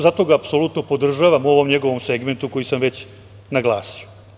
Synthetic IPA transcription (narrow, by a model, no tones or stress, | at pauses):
zat̪o̞ɡaːpso̞luːt̪nopo̞d̪r̩ʒaːʋamuo̞ʋo̞mɲe̞ɡo̞ʋo̞mse̞ɡment̪uko̞jisamʋe̞t͡ɕ | naɡlˠaːsio